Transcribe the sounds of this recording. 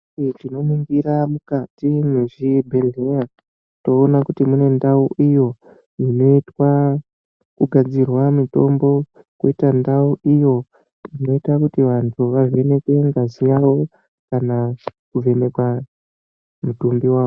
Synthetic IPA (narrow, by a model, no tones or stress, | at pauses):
tino̞miŋɡiɾamukatimeʐibʱelea | to̞ːnakutimune̞ndauʔijo̞ | ino̞itwa | kuɡʱad͡zirwamito̞mbo̞ | kuitandauʔijo̞ | ino̞itakutiʋantʰuʋaʐe̞ne̞kwe̞ŋɡazijaʋo̞ | kanakuve̞ne̞kwa | mutumbiwaːo